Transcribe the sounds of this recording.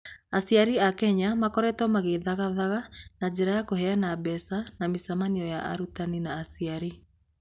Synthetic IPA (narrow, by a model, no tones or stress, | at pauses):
asiaɾiakɛɲamakɔɾɛtɔmaɣeðaɣaðaɣanad͡ʑeɾajakohɛanabɛsanamisamaniɔjaʔa̰ɾutaninaːsiaɾi